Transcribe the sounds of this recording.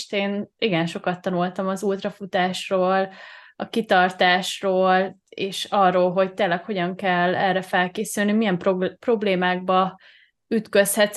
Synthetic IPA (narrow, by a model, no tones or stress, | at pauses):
t̪eːniɡɛnʃo̞kɒt̪ːɒnult̪ɒmɒzuːt̪rɒfut̪aːʃroːlɒkit̪ɒrt̪aːʃroːleːʃɒrːoːlɦo̞c̚t̪eːlːɛkho̞ɟɒŋkɛlːɛrɛfɛlkeːsylnimijɛmpopro̞bleːmaːɡ̚bɒ | yt̪kø̞shɛt̪